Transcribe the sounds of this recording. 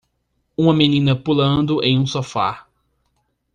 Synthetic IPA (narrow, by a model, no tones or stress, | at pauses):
ũmɐmenĩnɐpulɐ̃nd̪ʊʔḛ̃j̃ũsofa̰